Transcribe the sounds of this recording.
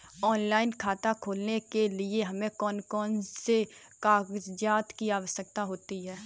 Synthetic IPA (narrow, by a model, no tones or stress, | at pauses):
ɔːnlaːɪnkʰaːt̪akʰoːlnekelieɦɐmẽkɔːnkɔːnse | kaːɡzd͡ʒaːt̪kiaːʋəsjək̚t̪aɦoːt̪iɦɛː